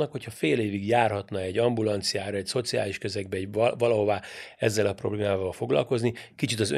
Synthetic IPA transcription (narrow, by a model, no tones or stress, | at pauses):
ɒkho̞chɒfeːleːviɡjaːrɦɒt̪nɒɛɟɒmbulɒnt̪sijaːɾɒɛcso̞t̪sia̰ːliʃkøzɛɡ̚bɛɛvɒlɒɦo̞vaːɛzːɛlɒpro̞̰bleːmaːvɒlfo̞ɡlɒ̰lko̞znikit͡ʃit̪ɒzø̰